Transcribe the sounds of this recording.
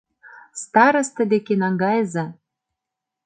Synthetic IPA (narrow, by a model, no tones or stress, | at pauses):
st̪ɑɾɤ̆st̪ə̆d̪ekenɑŋɡɑjzɑ